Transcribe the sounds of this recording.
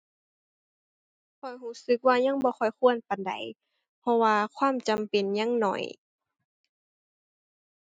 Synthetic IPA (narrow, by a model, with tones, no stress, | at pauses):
kʰɔ˨˩jɦuː˧˥˩sɯ˧˦k̚waː˧ɲa˧˥˨ŋbɔː˧˦xɔ˧˩jxʰu˧˨ənpa˨nda̰˨j | pʰɔ˧waː˧kʰwaː˧˥˨mt͡ɕa˨mpe˨nɲa˧˥˨ŋnɔ̰˧˩j